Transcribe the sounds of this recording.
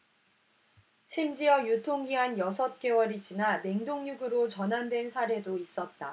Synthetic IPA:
ɕʰimd͡ʑiʌjutʰoŋɡiɦanjʌsʰʌt̚k͈e̞wʌɾid͡ʑinane̞ŋdoŋɲuɡɯɾot͡ɕʌnɦandwe̞nsʰaɾe̞dois͈ʌt̚t͈a

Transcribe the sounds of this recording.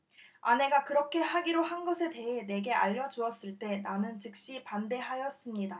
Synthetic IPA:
a̰ne̞ɡakɯɾʌkʰe̞ɦaɡiɾohanɡʌsʰe̞te̞ɦe̞ne̞ɡe̞a̰ʎːʌd͡ʑuʌs͈ɯɭt͈e̞nanɯnt͡ɕɯk̚ɕ͈ipande̞ɦajʌs͈ɯmɲida

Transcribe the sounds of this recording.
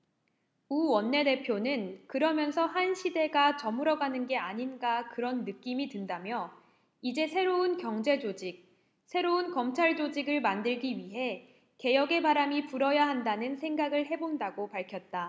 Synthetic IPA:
uwʌnːe̞de̞pʰjonɯnkɯɾʌmjʌnsʰʌhanɕʰide̞ɡat͡ɕʌmɯɾʌɡanɯnɡe̞aɲinɡakɯɾʌnːɯk͈imidɯndamjʌ | id͡ʑe̞sʰe̞ɾoɯnkjʌŋd͡ʑe̞d͡ʑod͡ʑik̚ | sʰe̞ɾounkʌmt͡ɕʰaɭd͡ʑod͡ʑiɡɯɭmandɯɭɡiɥiɦe̞ | ke̞jʌɡe̞baɾamipuɾʌjaɦandanɯnsʰe̞ŋɡaɡɯɭhe̞bondaɡopaɭkʰjʌt̚t͈a

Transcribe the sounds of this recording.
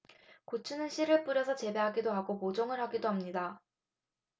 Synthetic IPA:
kot͡ɕʰunɯnɕʰiɾɯɭp͈uɾjʌsʰʌt͡ɕe̞be̞ɦaɡidoɦaɡomod͡ʑoŋɯɭɦaɡidoɦamɲida

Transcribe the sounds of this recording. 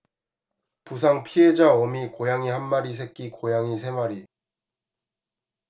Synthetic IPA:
pus̬ʰaŋpʰied͡ʑaʌmikojaŋihanːaɾis̬ʰe̞k̚k͈ikojaŋisʰe̞maɾi

